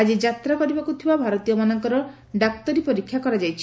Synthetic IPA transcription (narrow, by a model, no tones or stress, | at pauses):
ad͡ʒid͡ʒat̪ɾakɔɾibakut̪ʰibabʱaɾɔt̪ijɔmanɔŋkɔɾɔ | ɖak̚t̪ɔɾipɔɾikʰːjakɔɾad͡ʒajt͡ʃʰi̥